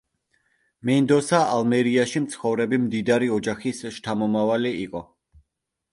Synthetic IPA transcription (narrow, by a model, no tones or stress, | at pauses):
mɛnd̪ɔsaʔalmɛɾiaʃimt̪sʰχɔvɾɛbimd̪id̪aɾiɔd͡ʒaχisʃt̪ʰamɔmavaliiqʼɔ